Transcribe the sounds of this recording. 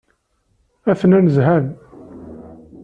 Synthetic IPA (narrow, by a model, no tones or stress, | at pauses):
æθnænəzɦæn